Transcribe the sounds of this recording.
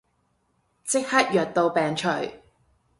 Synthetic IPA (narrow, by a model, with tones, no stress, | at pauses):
t͡sɪ˥k̚hɐ˥t̚jœː˨˩t̚t̪o˧wpɛː˨˩ŋt͡ʃʰɵ˨˩ɥ